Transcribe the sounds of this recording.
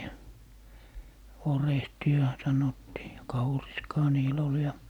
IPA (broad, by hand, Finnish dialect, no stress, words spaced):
jɑ orehtiɑ sɑnotːiː jɑ kɑuriskɑː niːl ol jɑ